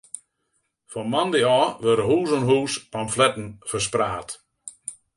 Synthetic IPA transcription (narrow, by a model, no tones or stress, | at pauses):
fɔnmandeɔʋøɾəɦuːzɔnɦuːspamflɛtn̩fəspraːt